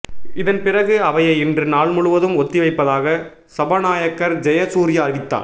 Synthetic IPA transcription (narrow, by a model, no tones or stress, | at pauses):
ɪðɐnpɪrɐɣɯɐʋɐjɐɪɪndrɯnaːɭmʊɻɯʋɐðɯmɔt̪ːɪʋɐɪpːɐðaːɣɐ | sɐbɐnaːjɐkːɐɾd͡ʒɛjɐsuːɾɪjaːɾʋɪt̪ːa̰ː